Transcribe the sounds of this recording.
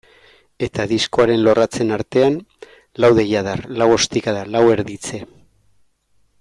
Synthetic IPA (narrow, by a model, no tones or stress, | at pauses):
e̞t̪aðisko̞aɾe̞nlo̞rat͡se̞naɾt̪e̞an | lawðe̞jað̞arlawo̞st̪ikaðalawe̞ɾðit͡se̞